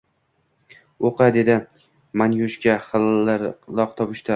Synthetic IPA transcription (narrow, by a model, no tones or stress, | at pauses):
oqʰɑd̪e̞d̪ɪ | manjʊʃkʲaχɨlaɾlˠɒq̚t̪ʰɒpɪʃt̪ʰa